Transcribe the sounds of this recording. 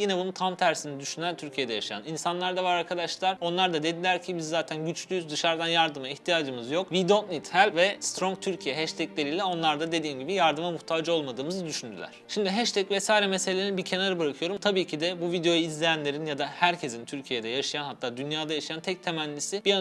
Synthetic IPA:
jinɛbunut̪ʰamt̪ʰæɾsinid̪yʃynænt̪ʰyɾcʰijed̪ɛjaʃaja̰ninsanlˠaɾd̪avaɾaɾkʰad̪aʃlˠaɾo̞nlˠaɾd̪ad̪e̞d̪ilʲæɾcʰibizːaːt̪ʰænɟyt͡ʃlʲyjyzd̪ɯʃaɾd̪anjaɾd̪ɯmaiçt̪ʰijaːd͡ʒɯmɯzjo̞kvid̪ot̪nit̪hælʲvɛst̪ɾo̞ŋt̪ʰyɾcʰijɛɦɛʃt̪ʰɛclʲe̞ɾiːlʲɛo̞nlˠaɾd̪ad̪e̞d̪iːmɟibijaɾd̪ɯmamuht̪ʰaːd͡ʒɯo̞lˠmad̪ɯːmɯzɯd̪yʃynd̪y̰lʲæ̰ɾ̥ʃimd̪iɦɛʃt̪ʰɛcvɛsaːiɾɛmeselʲeeɾinbiɾcʰe̞naɾɯbɯɾakʰɯjo̞ɾumt̪ʰabiːcʰid̪ɛbuvid̪eo̞juizlʲejænlʲe̞ɾinjad̪ahæɾcʰe̞zint̪ʰyɾcʰijed̪ɛjaʃɯjanhat̪ʰːaːd̪ynjaːd̪ajaʃajant̪ʰɛc̚t̪ʰe̞mænʲlʲisibia

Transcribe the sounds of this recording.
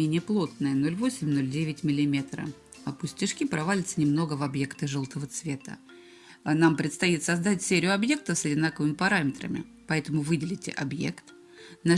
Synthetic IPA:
enʲɪjəplˠo̞t̪̚nəjəno̞lʲvosʲɪmʲno̞lʲdʲevʲɪtʲmʲɪlʲɪmʲe̞t̪ɾə̰ | ɐpʊsʲtʲɪʂkʲipɾɐvalʲɪt̪sənʲɪmno̞ɡəvɐbje̞kt̪əʐolˠt̪əvət̪svʲe̞t̪ə̰ | nampɾʲɪt̪st̪ɐjit̪sɐzd̪atʲsʲeɾʲɪjʊɐbje̞k̚t̪əsɐdʲɪnakəvɨmʲɪpɐɾamʲɪt̪ɾə̰mʲɪ̰ | pɐɛt̪əmʊvɨdʲɪlʲɪtʲɪ̰ʔɐbje̞̰kt̪ | na

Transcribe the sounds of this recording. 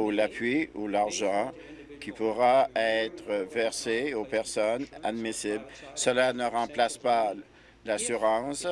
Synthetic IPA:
ulapɥiulaʁʒɑ̃ | kʲipuʁaɛt̪ʁəvɛʁseopɛʁsɔna̰d̪misiblsəlanəʁɑ̃plaspa | lasyʁɑ̃s

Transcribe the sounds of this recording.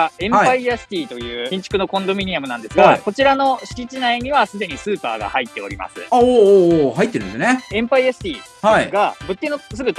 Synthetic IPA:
aẽ̞apaiasɨ̥t̪ʲiːt̪o̞jɯ̟ːĩɲ̟t͡ɕi̥kɯ̟nokõ̞nd̪o̞mʲiɲ̟iamɯ̟nãnd̪e̞sɨɡako̞t͡ɕiɾano̞ɕi̥kʲit͡ɕinaiɲ̟iβasɨd̪e̞ɲ̟isɨːpa̰ːɡa̰hait̪ːe̞o̞ɾʲḭma̰sɨ̰aoːhait̪ːeɾ̃esneẽ̞mpaiasɨ̥t̪ʲiːhaiɡabɯ̟t̪ʲːenosɨɡɯ̟

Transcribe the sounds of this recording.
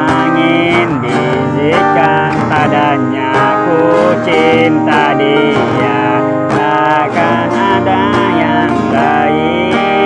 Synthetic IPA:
a | ŋi | nbi | zi | ka | nt̪ada | ɲa | kut͡ʃint̪adi | ja | la | ka | nada | ja | ŋsa | i

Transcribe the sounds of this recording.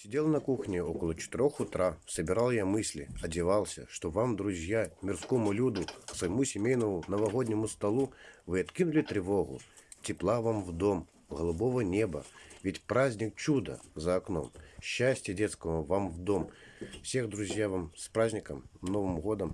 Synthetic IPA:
sʲɪdʲelˠənɐkuxnʲɪokəlˠət͡ɕɪ̥t̪ɪɾʲoxʊt̪ɾasəbʲɪɾalˠjamɨsʲlʲɪ̰ɐdʲɪvalˠsʲə̰ʂt̪ovamd̪ɾʊzʲjamʲɪrskomʊlʲud̪ʊksvəjɪmusʲɪmʲejnəmʊnəvɐɣod̪ʲnʲɪmʊst̪ɐlˠuvɨɐt̪kʲinʊlʲɪt̪ɾʲɪvoɣʊ̰tʲɪplˠavamvd̪om | ɣəlˠubovənʲebəvʲɪtʲpɾazʲnʲɪk̚t͡ɕud̪ə̰zɐːkno̰mɕːasʲtʲjədʲet̪skəvəvamvd̪omfsʲeɣd̪ɾuzʲjavamspɾazʲnʲɪkəmnovɨmɣod̪əm

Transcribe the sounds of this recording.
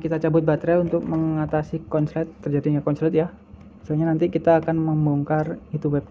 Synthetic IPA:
kit̪at͡ʃabʊt̪̚bat̪ɾɛunt̪ʊk̚məŋat̪asikɔnslɛt̪ːərd͡ʒadiŋakɔnslɛt̪̚ja | saɲanant̪ikit̪aːkanməmbɔŋkarit̪uwɛp̚

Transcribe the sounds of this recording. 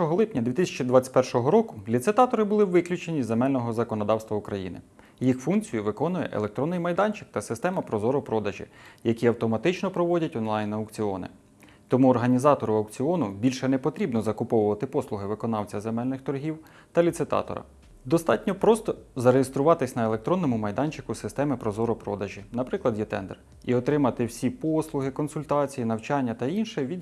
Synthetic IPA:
ɔɦɔlˠɪpnʲɐd̪ʋʲit̪ɪsʲɐt͡ʃid̪ʋɑt͡sʲɐ̥tʲpɛrʃɔɦɔɾɔkʊlʲit̪sɪt̪ɑt̪ɔɾɪbʊlˠɪwʋɪklʲʊt͡ʃenʲizemɛlʲnɔɦɔzɐkɔnɔd̪ɑwst̪ʋɐʊkɾɐjḭnɪ̰ | jixfunkt͡sʲijʊʋɪkɔnʊjɛ̰ʔḛlˠek̚t̪ɾɔnːɪjmɐjd̪ɑnʲt͡ʃɪ̥k̚t̪ɐsɪst̪ɛmɐpɾɔzɔɾʊpɾɔd̪ɐʒḭjɐkʲiɐwt̪ɔmɐt̪ɪt͡ʃnɔpɾɔʋɔdʲɐtʲɔnlˠɑjnɐwkt͡sʲiɔnɪ̰ | t̪ɔmuɔrɦɐnʲizɑt̪ɔɾʊɐwkt͡sʲiɔnʊbʲilʲʃɛnɛpɔt̪ɾʲibnɔzɐkʊpɔwʊʋɐt̪ɪpɔslˠʊɦɪʋɪkɔnɑwt͡sʲɐzemɛlʲnɪxt̪ɔɾɦʲiw | t̪ɐlʲit̪sɪt̪ɑ̰t̪ɔ̰ɾɐ̰ | d̪ɔst̪ɑtʲnʲɔpɾɔst̪ɔzɐɾejest̪ɾʊʋɑt̪ɪsʲnɐelˠe̞k̚t̪ɾɔnːɔmʊmɐjd̪ɑnʲt͡ʃɪ̥kʊsɪst̪ɛmɪpɾɔzɔɾɔpɾɔd̪ɐʒinɐpɾɪklˠɐd̪jɛt̪ɛ̰nd̪ɛ̰r | iɔt̪ɾɪmɐt̪ɪwsʲipɔslˠʊɦɪkɔnsʊlʲt̪ɑt͡sʲijinɐwt͡ʃɑnʲːɐt̪ɐinʃɛʋʲi

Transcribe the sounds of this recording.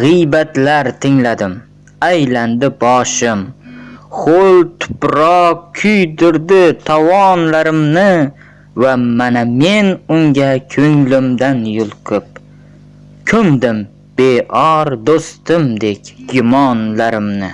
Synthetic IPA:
ʁɨjbat̪laɾt̪ʰɪŋlad̪ɪm | ajland̪ɪbɒʃɪm | χolt̪ʰʊ̥pɾɒqkʲʰʊjd̪ʊɾd̪ɪt̪ʰavɒnlaɾɪmnɪ | vamaname̞nʊŋɡʲakʲʰɵŋlɪmd̪anjʊlˠqʰɨp̚ | kʲʰʊmd̪ɪm | b̥eʔɒɾd̪ost̪ɪmd̪e̞kʲɡʊmɒnlaɾɪmnɪ

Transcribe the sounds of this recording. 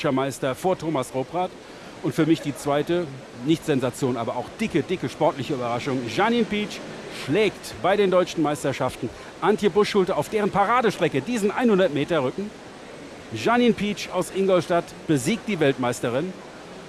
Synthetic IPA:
ʃɐmaɪstɐfoːɐtʰoːmasʁoːbʁaːt | ʔʊntfyːɐmɪçd̥iːt͡sv̥aɪtə | nɪçtz̥ɛnzat͡sjoːnʔaːbɐʔaʊxd̥ɪkədɪkəʃpɔɐtlɪçəyːbɐʁ̞aʃʊŋʒaniːnpiːt͡ʃ | ʃlɛːktb̥aɪɾeːndɔʏt͡ʃn̩maɪstɐʃaftn̩ | ʔantçəbʊʃʃʊltɐaʊfd̥eːʁənpʰaʁaːdəʃtʁ̥ɛkədiːzn̩ʔaɪnhʊndɐtmeːtɐʁʏkŋ̩ | ʒaniːnpʰiːt͡ʃaʊsʔɪŋɡɔlʃtat | b̥əziːk̚t̚d̥iːvɛltmaɪstəʁɪn

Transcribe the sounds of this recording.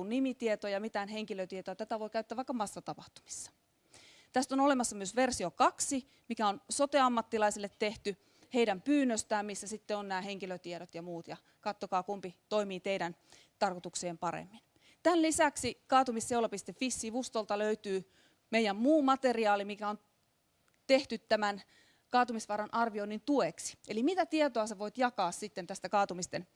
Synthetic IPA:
unnimit̪iet̪ojɑmit̪æːnɦeŋkiløt̪iet̪oɑt̪æt̪æʋo̞ikæyt̪ːæʋɑˑikːˑɑmɑsːɑt̪ɑpɑht̪u̥mi̥sːɑ̥ | t̪æst̪onolemɑsːɑmyøsʋersiokɑksi | mikæonsot̪eɑmːɑt̪ːilɑisilːet̪teht̪y | heidæmpyːnːøst̪æːmmisːæsit̪ːeonnæːheŋkiløt̪ieɾot̪jɑmuːt̪jɑ | kɑt̪ːokɑːkumpit̪oimiːt̪eidæn | t̪ɑrkot̪ukseːmpɑɾḛmːin | t̪ænlisæksikɑːt̪umisewlɑpist̪efisːiʋust̪olt̪ɑløyt̪yː | meijˑæmmuːmɑt̪eriɑːlimikæon | t̪eht̪yt̪tæmæn | kɑːt̪umisʋɑːɾɑnʔɑrʋionːint̪ueksi̥elimit̪æt̪iet̪oɑseʋoit̪jɑkɑːssit̪ːent̪æst̪ækɑːt̪umist̪en

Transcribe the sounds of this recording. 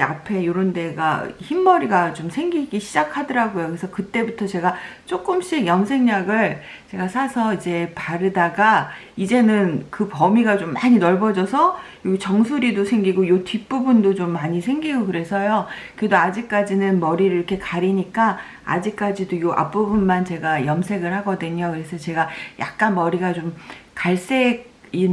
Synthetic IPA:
a̰pʰe̞joɾonde̞ɡa̰çimːʌɾiɡat͡ɕomsʰe̞ŋɡiɡiɕʰid͡ʑakʰadɯɾaɡojokesʰʌkɯt͈e̞butʰʌt͡ɕe̞ɡat͡ɕ͈ok͈ɯmɕ͈iɡjʌŋsʰe̞ŋɲaɡɯɭ | t͡ɕe̞ɡasʰasʰʌid͡ʑe̞paɾɯdaɡa | id͡ʑe̞nɯnkɯpʌmiɡat͡ɕomːaɲinʌɭbʌd͡ʑʌsʰʌjoɡt͡ɕʌŋsʰuɾidosʰe̞ŋɡiɡojotip͈ubundot͡ɕomːaɲisʰe̞ŋɡiɡokɯɾe̞sʰʌjokɯɾedoad͡ʑik̚k͈ad͡ʑinɯnmʌɾiɾɯiɾʌkʰe̞kaɾiɲik͈a | a̰d͡ʑik̚k͈ad͡ʑidojoʔa̰p͈ubunmant͡ɕe̞ɡajʌmsʰe̞ɡɯɭhaɡʌdɯɲokɯɾesʰʌt͡ɕe̞ɡajʔa̰k̚k͈anmʌɾiɡat͡ɕomkaɭs͈e̞ɡ̚in

